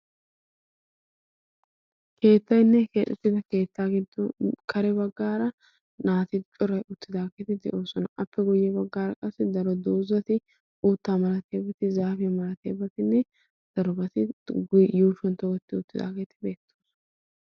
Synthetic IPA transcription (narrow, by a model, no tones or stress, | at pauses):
kʰe̞ːt̪ːɐjnːɛkeːt̪ʼʊt̪ːɪd̪ɐke̞ːt̪ːaːɡɪd̪ɔkʰɐɾɛbɐɡːaːɾɐ | naːt̪ɪt͡ʃʼɔɾɐjʔʊt̪ːɪd̪aːkeːt̪ɪd̪ɛ̰ʔo̞ːsɔnɐʔɐpːɛɡɔjɛbɐɡːaːɾɐkʼɐsːɪd̪ɐɾɔd̪oːzɐt̪ɪ | uːt̪ːaːmɐlɐt̪ʰe̞ːbɐt̪ɪzaːfɪɛmɐlɐt̪eːbɐt̪ɪnːɛ | d̪̥ɐɾɔbɐt̪ɪ | juːʃɔnt̪ɔɡɔt̪ːɪʊt̪ːɪd̪a̰ːkeːt̪ɪbe̞ːt̪ːoːsn